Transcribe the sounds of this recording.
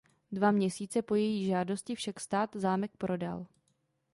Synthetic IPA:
dvamɲɛsiːt͡sɛpo̞jɛjiːʒaːdo̞scɪfʃakst̪aːt̪zaːmɛk̚pɾo̞da̰l

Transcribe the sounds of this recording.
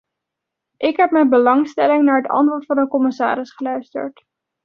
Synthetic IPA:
ʔɪkɦɛp̚mɛjnbəlɑŋstɛlɪŋnaːɹɦətɑ̰ntʋoːɹtfɑnəkɔmɪsa̰ːɾɪsχəlœɥstə̰ɹt

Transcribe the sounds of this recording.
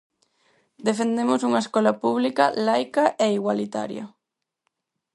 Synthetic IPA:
d̪efend̪emʊsuŋɐeskɔlɐpuβlikɐlajkɐʔeiɣwalit̪a̰ɾjɐ̰

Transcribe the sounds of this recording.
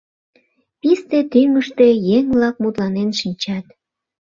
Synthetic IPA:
pist̪et̪yməʃt̪e̽jeŋβlɑk̚mut̪lɑnenʃinʲt͡ɕɑt̪

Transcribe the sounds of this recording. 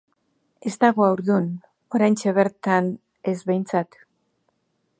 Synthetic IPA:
e̞st̪aɣoawɾðun | o̞ɾajnt͡ʃeβe̞ɾt̪an | e̞zβe̞jnt͡sat̪

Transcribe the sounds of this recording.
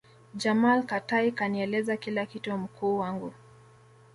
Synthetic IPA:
d͡ʒamalkataikaniɛlɛzakilakitum̩kuːwaŋɡu

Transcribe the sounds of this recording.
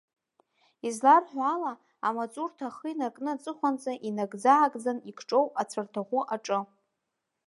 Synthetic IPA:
izlarħʷᶣaːla | amat͡sʼurtʰaχəinarkʼnɨat͡sʼɨχʷant͡sʼaʔinaɡd͡zaʕakʼd͡zanikʰʈ͡ʂʼo̞wat͡sʷʰartʰaʁʷʊʔaʈ͡ʂʼɨ

